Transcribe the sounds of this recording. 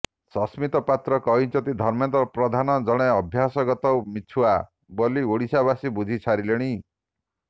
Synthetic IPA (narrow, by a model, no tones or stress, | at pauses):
sɔsmit̪ɔpat̪ɾɔkɔɦint͡ʃʰɔt̪id̪ʱɔɾmjent̪ɔpɾɔd̪ʱanɔd͡ʒɔɽ̃eɔbʱjasɔɡɔt̪ɔwmit͡ʃʰua | bɔlioɽisabasibud͡ʒʱit͡ʃʰaɾileɽ̃i